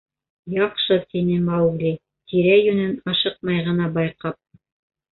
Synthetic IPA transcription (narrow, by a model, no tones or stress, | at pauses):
jɑqʃɤt̪inɘmɑwɡlʲi | t̪ʰiɾæjɵ̆nɘnɑʃɤq̚mɑjʁɤ̆nɑbɑjqɑp̚